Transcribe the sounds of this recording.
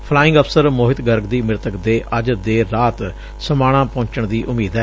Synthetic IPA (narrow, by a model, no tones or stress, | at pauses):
pʰlaːɪ̃ŋɡəpʰsəɾmoːɦɪt̪ɡəɾɡd̪iːmɪɾt̪əkd̪eːʔəd͡ʒd̪eːɾaːt̪ | səmaːɽ̃ãːpõːɲt͡ʃəɳd̪iːʔʊmiːd̪ɛː